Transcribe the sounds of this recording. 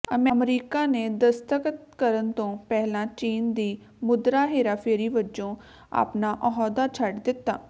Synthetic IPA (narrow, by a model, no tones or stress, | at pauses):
əməmɾiːkaːneːd̪əst̪əkət̪kəɾənt̪õːpɛːlãːt͡ʃiːnd̪iː | mʊd̪ɾaːɦeːɾaːpʰeːɾiːʋəd͡ʒõː | a̰ːpnaːʔɔɦɔːd̪aːt͡ʃʰəʈd̪ɪt̪ːa̰ː